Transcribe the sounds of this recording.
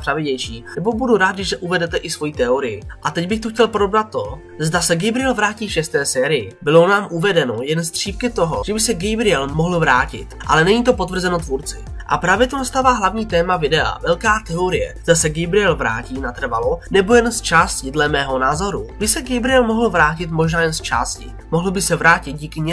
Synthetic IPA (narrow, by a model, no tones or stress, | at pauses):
r̥avɪɟɛjʃiːnɛbo̞buduɾaːd̪t̪ɡɪʒɛʔuvɛdɛt̪ɛʔɪsvo̞jit̪ɛoɾɪjɪʔat̪ɛɟbɪxt̪uxcɛlpodobnat̪ːo̞ | zdasɛɡɛjbɾɪjɛlvɾaːciːfʃɛst̪ɛːsɛːɾɪjɪbɪlonaːmʔuvɛdɛno̞jɛnst̪r̥iːpkɪt̪o̞ɦo̞̰ʒ̥ɛbɪsɛɡɛjbɾɪjɛlmoɦl̩vɾaːcɪ̰t̪ʔa̰lɛnɛɲiːt̪opo̞t̪vr̩zɛno̞t̪vuɾt͡sɪ | ʔa̰pɾaːvjɛt̪onast̪aːvaːɦlavɲiːt̪ɛːmavɪdɛa̰vɛlkaːt̪ɛoɾɪjɛ̰zd̪asɛɡɛjbɾɪjɛlvɾa̰ːciːnat̪r̩valonɛbo̞jɛnst͡ʃaːscɪdlɛmɛːɦo̞naːzo̞ɾubɪsɛɡɛjbɾɪjɛlmoɦl̩vɾaːcɪt̪mo̞ʒnaːjɛnst͡ʃa̰ːscɪ̰ | moɦl̩bɪsɛvɾaːcɪt̪̚ɟiːkɪɲɛ